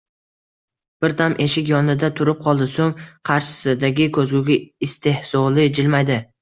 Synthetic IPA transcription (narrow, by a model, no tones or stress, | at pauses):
b̥ɪɾt̪ʰamʔe̞ʃɪkʲjɒnɪd̪at̪ʰʊɾɪp̚qʰɒlˠd̪ɪsoŋqʰɑɾʃɪ̥sɪd̪aɡʲɪkʰɵzɡʲʊɡʲaɪst̪ʰe̞hsɒlɪd͡ʒɪlmajd̪ɪ